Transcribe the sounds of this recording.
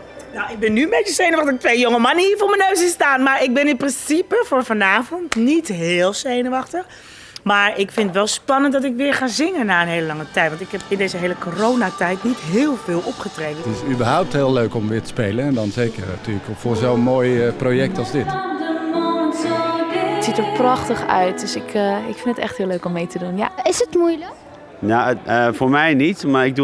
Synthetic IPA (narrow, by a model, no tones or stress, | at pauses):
nowɪk̚bɪnːyənmbejt͡ʃəsejnəʋɑχtəχtʋejjoŋəmaniːfʊːɹmənøɥsɪnstaːnmaːɹɪk̚bɪnɪnprɪnsipəfʊːɹfanaːvɔntnitɦɪːlˠsejnəʋɑxtəx | maːɹɪkfɪnətʋɛlˠspɑnəntdɔt̬ɪkʋɪːɹχaːzɪŋənːaːənɦeːləlɑŋətɛjtʋɑntɪkɦɛpɪndejzəɦeːləkʰoroːnatɛjtnitɦɪːlˠvɪːlˠɔpχətreːdəɪsybəɹɦawp̚tɦɪːløɥkɔmʋɪːtə̥spejlənɛndɔnzejkəratyːləkfoːzoənmoːjprojɛk̚tɑlˠzdɪt | ətsitəɹprɑxtəχœ̰ɥt̚døsɪkɪkfɪndətɛ̰xthɪːløːkɔmːejtədunja̰ɪsətmujlək | naəfoːɹmɛjnitmaɹɪɡ̚du